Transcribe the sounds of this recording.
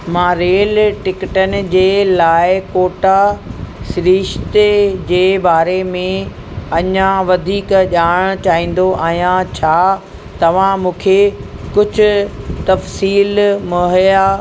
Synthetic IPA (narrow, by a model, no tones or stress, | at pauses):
mãːɾeːlʈɪkɪʈənɪ̆d͡ʑeːlaːɪkoːʈasɪɾiːʃt̪ed͡ʑeːbaːɾemẽ | ɐɲãʋɐd̪ʱiːkʄaːɽ̃ʊt͡ɕaːɦĩːn̆d̪oʔaːɦijãt͡ɕʰaː | t̪ɐʋ̤ãmũːkʰekʊd͡ʑʱʊ̆t̪ɐfsiːlmɐɦjaː